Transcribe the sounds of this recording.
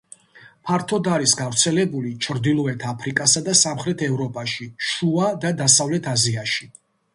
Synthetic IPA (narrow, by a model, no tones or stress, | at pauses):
pʰaɾt̪ʰɔd̪aɾisɡavɾt̪sʰɛlɛbulit͡ʃʰɾd̪ilˠɔɛt̪ʰapʰɾikʼasad̪asamχɾɛt̪ʰɛvɾɔpʼaʃiʃuad̪ad̪asavlɛt̪ʰaziaʃi